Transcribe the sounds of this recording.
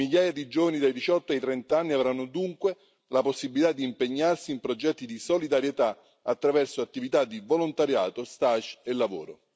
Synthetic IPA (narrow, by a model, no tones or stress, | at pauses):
miʎːaːjad̪id͡ʒoːvanid̪ajd̪it͡ʃɔt̪ːoajt̪ɾɛnt̪aanːiavɾanːʊd̪uŋkwe | laposːibilit̪ad̪ːiːmpeɲːarsiːmpɾod͡ʒɛt̪ːid̪isolid̪aɾjet̪a | at̪ːɾavɛrsoat̪ːivit̪ad̪ivolont̪aɾjaːt̪ost̪aʃelːavoːɾo